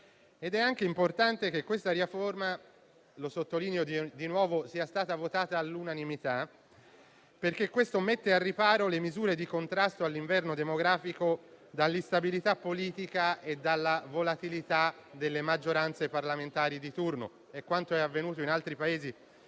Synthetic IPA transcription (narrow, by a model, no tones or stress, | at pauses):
ed̪ɛaŋk̟eimport̪ant̪ek̟ekːwest̪aɾiaforma | losot̪ːoliːneod̪inwɔːvosiːast̪aːt̪avot̪aːt̪aːlːunanimit̪a | perkekːwest̪omet̪ːearːipaːɾolemizuːɾed̪ikont̪ɾast̪oalːiɱvɛrnod̪emoɡɾaːfikod̪alːist̪abilit̪apːoliːt̪ikaed̪ːalːavolat̪ilit̪ad̪elːemad͡ʒːoɾant̪separlament̪aːɾid̪it̪urno̰ | ekːwant̪oɛavːenuːt̪̬oinalt̪ɾipaeːzi